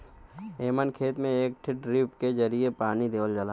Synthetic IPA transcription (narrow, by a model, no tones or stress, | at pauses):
eːmənkʰeːt̪mẽeːk̚ʈʰɪʈɾiːpkezɐɾiepaːnid̪eːʋəld͡ʒəlaː